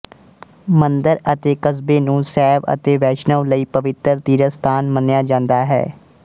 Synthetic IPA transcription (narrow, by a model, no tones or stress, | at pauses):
mənd̪əɾət̪eːkəsbeːnũːsɛːʋə̰t̪eːʋɛːʃnəʋləiːpəʋɪt̪əɾt̪iːɾəst̪ʰaːnmənjaːd͡ʒãːnd̪aːɦɛ̰ː